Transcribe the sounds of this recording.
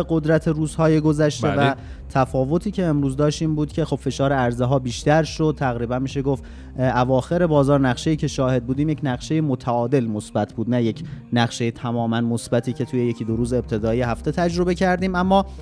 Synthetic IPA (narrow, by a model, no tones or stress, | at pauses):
eɡo̞d̪ɾæt̪ʰeɾuːz̥hɒːjeɡo̞zæʃt̪evæ | t̪ʰæfɒːvo̞t̪ʰiːcʰe̞ːmɾuːzd̪ɒːʃt̪iːmbuːd̪cʲʰe̞xo̞b̥fe̞ʃɒːɾeæɾzeɦɒːbiːʃt̪æɾʃo̞d̪̚t̪ʰæɣɾiːbænmiʃe̞ɡoft̪ | ævɒːxe̞ɾe̞bɒːzɒːɾnæχʃe̞jiːcʰe̞ʃɒːhe̞d̪̚buːd̪iːmje̞cʰnæɣʃe̞jemot̪ʰæɒːd̪e̞lmo̞sbæt̪ʰbuːd̪næje̞cʰnæʁʃejet̪ʰæmɒːmænmosbæt̪ʰiːcʰe̞t̪ʰuːjeje̞cʰid̪oɾuːze̞b̚t̪ʰe̞d̪ɒːjehæft̪ʰe̞t̪ʰæd͡ʒɾo̞be̞cʰæɾd̪iːmæmːɒː